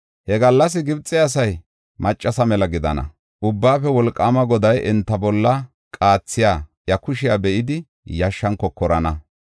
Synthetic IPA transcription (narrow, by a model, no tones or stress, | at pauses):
hɛɡɐlːɐs̬ɪɡɪbt͡sʼːɪɐs̬ɐj | mɐt͡ʃʼːɐsɐmɛlɐɡɪd̪ɐ̰nɐ̰ | ʔʊbːaːfɛwɔlkʼːaːmɐɡɔd̪ɐjʔɛnt̪ːɐbɔlːɐ | kʼaːt͡sːɪjaːjɐkʊʃɪjabɛʔɪd̪ɪ | jɐʃːɐŋkɔkːɔɾɐnɐ